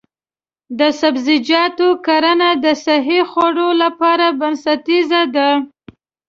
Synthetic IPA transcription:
d̪əsabzɪd͡ʒɑt̪okaɾanad̪əsaɦixwaɽolapɑɾabansat̪izad̪a

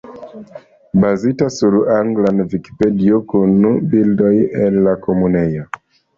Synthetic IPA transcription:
bazitasuɾuʔaŋɡlanviki̥pediokonubildɔjʔɛllakɔmunɛja

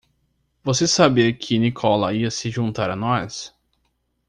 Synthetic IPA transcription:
vosesabikʰɪnikʰɔlɐiɐsɪʒũnt̪aɾanɔs

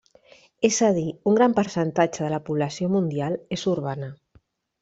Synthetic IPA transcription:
ezað̞iuŋɡɾampəɾsənt̪at͡ʃəðəlapuβlasjomund̪jalesuɾβ̞anə

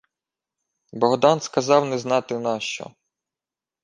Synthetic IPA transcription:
bɔɦd̪ɑnskɐzɑwnɛznɑt̪ɪnɑʃt͡ʃɔ̰

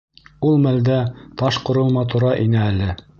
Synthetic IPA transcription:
ulˠmæld̪æt̪ɑʃqŏɾɤ̆w̪ˠmɑt̪uɾɑʔinæːlɘ

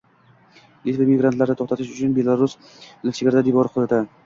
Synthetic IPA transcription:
lit̪vamɪɡɾant̪laɾnɪt̪ʰoχt̪at̪ʰɪʃʊt͡ʃʰʊnbe̞lˠaɾʊs | lɪkʲt͡ʃʰeɡʲaɾd̪ad̪ijbɒɾqʰʊd̪at̪ʰa

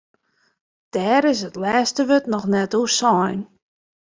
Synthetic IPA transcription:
d̥ɛːɾɪs̬ətlɛːstəʋøtnɔxnɛtusɔjn

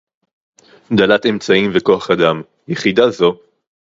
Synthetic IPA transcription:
d̪alat̪e̞mt͡saimveko̞aχad̪am | jeχid̪azo̞

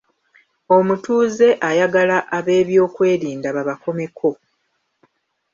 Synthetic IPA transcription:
o̞mutuːze̞ʔajaɡalaʔaβe̞ːβjo̞ːkwe̞ːɾiːndaβaβako̞me̞kʰo̞

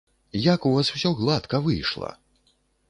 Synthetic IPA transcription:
jakuvasw̥sʲɔɣlˠat̪kɐvɨjʂlˠɐ̰

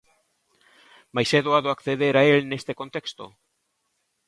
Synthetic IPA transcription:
majseðoaðoakθeðeɾaelnest̪eko̞nt̪e̞kst̪o̰

